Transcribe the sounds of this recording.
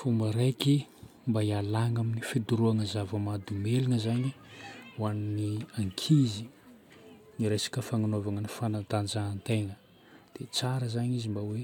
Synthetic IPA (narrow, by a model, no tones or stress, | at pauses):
fumbəɾejki | mbaialaŋaminifid̪uɾuaŋəzavəmad̪umeliŋəzaɲi | waniniaŋkʰizi | niɾesḁkəfaŋanovaŋənifanat̪and͡ʒaːnt̪eŋə | d̪̥et͡saɾəzaɲizimbawe